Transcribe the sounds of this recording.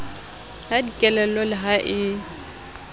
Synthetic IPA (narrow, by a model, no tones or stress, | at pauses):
hadikʼɛlɛlɔlɪɦaʔɪ